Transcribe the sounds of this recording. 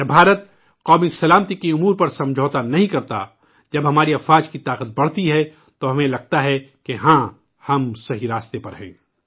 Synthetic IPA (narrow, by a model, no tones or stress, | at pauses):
jɐbʱaːɾət̪̚ | qɔːmisɐlaːmt̪ikiʊmuːɾpɐɾsɐ̃md͡ʒʱoːt̪anɐɦĩkɐɾt̪a̰ | d͡ʒɐbɦɐmaːɾiɐfaːd͡ʒkit̪aːqət̪̚bɐɽ̤t̪iɦɛ | t̪oɦɐmẽlɐɡ̚t̪aɦɛkeɦãː | hɐmsɐɦiɾaːst̪epɐɾɦɛ̰̃ː